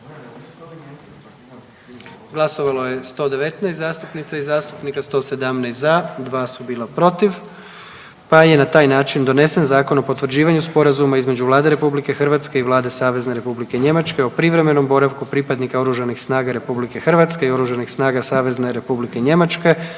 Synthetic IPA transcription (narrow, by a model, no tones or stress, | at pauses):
ɡlˠaso̞ʋalo̞je̞st̪o̞d̪e̞ʋet̪nɛjst̪zaːst̪upnit̪saizaːst̪u̥pnikast̪o̞ːse̞d̪amnɛjst̪zad̪ʋaːsubiːlˠapɾo̞t̪iʋ | paje̞nat̪aːjnaːt͡ʃind̪o̞ne̞senzaːko̞no̞po̞t̪ʋɾ̩d͡ʑiːʋaɲuspo̞ɾazumaizme̞d͡ʑuʋlˠaːd̪e̞ɾe̞publikexr̩ʋat̪ske̞iʋlˠaːd̪e̞saːʋe̞zne̞ɾe̞publikeɲe̞mat͡ʃke̞opɾiʋɾe̞me̞no̞mbo̞ɾaʋkupɾipad̪nikao̞ɾuʒanixsnaːɡaɾe̞publike̞xr̩ʋat̪skeio̞ɾuʒanixsnaːɡasaːʋe̞zne̞ɾe̞publikeɲe̞mat͡ʃke̞